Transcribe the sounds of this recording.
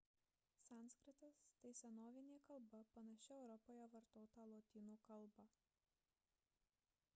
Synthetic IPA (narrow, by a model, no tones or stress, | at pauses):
sʲæˑnskɾʲɪt̪ɐst̪ɐɪsʲɛnoːʋʲɪnʲeːkɐlˠbɐpɐnɐʃʲɪɛʊɾɔpoːjɛʋɐɾt̪oːt̪ɐːlˠoːt̪ʲiːnuːkɐlˠˑbɐ